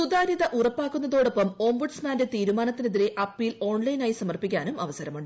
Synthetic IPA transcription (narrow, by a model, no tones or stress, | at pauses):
sud̪aːɾiðɐʔurɐpːaːkːunːɐðo̞ːɽo̞pːɐmo̞ːmbuɖsmaːnde̞t̪iːɾumaːnɐt̪ːineðiɾe̞ʔɐpːjilo̞ːɳlɐjinaːjisɐmɐrpikʲːaːnumɐʋɐsɐɾɐmuɳɖɨ